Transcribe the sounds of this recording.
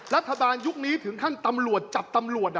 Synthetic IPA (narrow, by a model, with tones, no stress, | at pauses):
ɾa˦˥t̪ʰːa˧baː˧nju˦˥k̚niː˦˥t̪ʰɨ˨˩˦ŋkʰaː˥˩ŋt̪a˧mlu˨˩ət̪̚t͡ɕa˨˩p̚t̪a˧mlu˨˩ət̚